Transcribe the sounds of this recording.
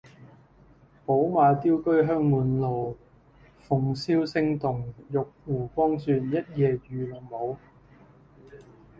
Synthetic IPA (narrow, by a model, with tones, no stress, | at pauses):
po˨˥wmaː˨˧jt̪iː˥wkɵ˥ɥɦœː˥ŋmuː˨nlo˨w | fʊ˨ŋsiː˥wsɪ˥ŋt̪ʊ˨˩ŋjʊ˨k̚wuː˨˩kɔː˥ŋsyː˧njɐ˥t̚jɛː˨˧jyː˨˩lʊ˨˩ŋmo˨˧w